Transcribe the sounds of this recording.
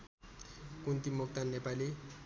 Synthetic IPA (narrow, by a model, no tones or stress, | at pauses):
kunt̪imːokt̪anːepali